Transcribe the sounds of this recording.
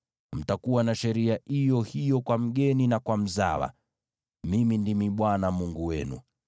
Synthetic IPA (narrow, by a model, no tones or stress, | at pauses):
m̩takuwanaʃɛɾiaijɔhijɔkwam̩ɠɛninakwam̩za̰wa̰ | mimindimiɓwanamuŋɡuwɛnṵ